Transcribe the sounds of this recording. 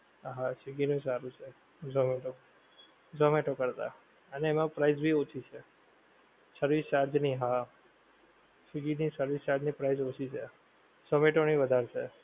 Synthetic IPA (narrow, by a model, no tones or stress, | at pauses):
ɦãt͡ʃiɡinũsaɾũt͡ʃʰe | d͡ʒomeʈo | d͡ʒomeʈokəɾt̪a̰ | əneːmãpɾaizbʱiot͡ʃʰit͡ʃʰe | səɾʋist͡ʃaɾd͡ʒniɦã | t͡ʃiɡinisəɾʋist͡ʃaɾd͡ʒnipɾaizot͡ʃʰit͡ʃʰe | səmeʈoñiʋəd̪ʱaɾt͡ʃʰe